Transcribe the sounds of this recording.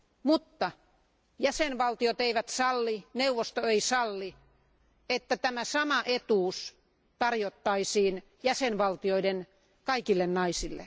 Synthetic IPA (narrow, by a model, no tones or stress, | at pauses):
mut̪ːɑ | jæsenʋɑlt̪iot̪eiʋæt̪sɑlːineuʋːost̪oeisɑlːi | et̪ːæt̪æmæsɑmɑʔet̪uːs | t̪ɑrjot̪ːɑisiːn | jæsenʋɑlt̪ioiden | kɑikilːennɑisilːḛ